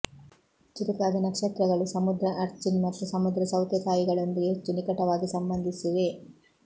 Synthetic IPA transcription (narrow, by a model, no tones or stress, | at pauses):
t͡ʃut̪ɐkaːd̪inɐkʂeːt̪ɾɐɡɐɭusɐmud̪ɾɐʔɐɾt͡ʃinmɐt̪ːɾusɐmud̪ɾɐsɐwt̪jɐt̪ʰaːjiɡɐɭond̪iɡet͡ʃːunikɐʈɐʋaːɡisɐmbɐnd̪ʱisiʋe̞